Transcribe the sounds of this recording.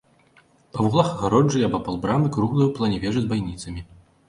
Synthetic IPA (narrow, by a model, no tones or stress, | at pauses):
pɐvuɣlˠaxɐɣaɾɔd͡ʐɨjɐbɔpalˠbɾamɨkɾuɣlˠɐjuwplˠɐnʲɛvʲɛʐɨzbajnʲit̪sɐmʲi